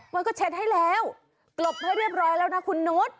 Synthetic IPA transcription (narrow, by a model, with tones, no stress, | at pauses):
wa˧nkɔː˥˩t͡ɕʰe˦˥t̪̚ha˥˩jlɛː˦˥w | klo˨˩p̚haː˥˩ɾi˥˩əp̚ɾɔː˦˥jlɛː˦˥wna˦˥kʰu˧nːo˦˥˩t̪̚